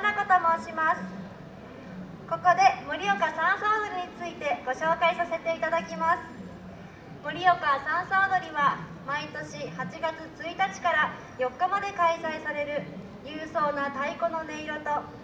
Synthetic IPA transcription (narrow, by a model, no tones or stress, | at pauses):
nako̞t̪o̞mo̞ɕimasɨ̥ | ko̞ko̞d̪e̞moɾʲio̞kasãɰ̃soːd̪oɾʲiɲ̟it͡sɨit̪e̞ɡ̥o̞ɕo̞ːkaisase̞t̪e̞it̪ad̪akʲimasɨ̥ | mo̟ɾʲijo̞kasãɰ̃soːd̪o̞ɾʲiβa | mait̪o̞ɕihat͡ɕiɡat͡sɨt͡sɨit̪at͡ɕi̥kaɾa | jo̞kːamad̪e̞kaisaisaɾe̞ɾɯ̟ | jɯ̟ːso̞ːnat̪aiko̞no̞ne̞iɾo̞t̪o̞